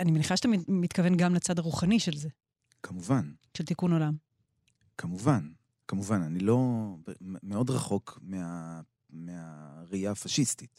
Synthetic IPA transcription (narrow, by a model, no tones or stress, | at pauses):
animeniχaʃat̪amit̪kave̞nɡamlet͡sadaʁuχaniʃelze̞ | kʰamuvanʃelt̪ikuno̞lam | kʰamuvan | kamuvananilo̞bmeo̞dʁaχo̞kmea | meaʁiafaʃistit